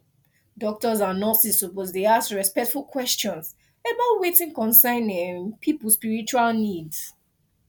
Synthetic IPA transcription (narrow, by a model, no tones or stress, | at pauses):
dɔk̚tɔzanɔsissupozdeaskɹɛspɛk̚tfulˠkʰwɛst͡ʃɔ̃ns | ɛbatwetĩŋkɔ̃nsãɪ̃nĩnpʰipulspiɹit͡ʃualnids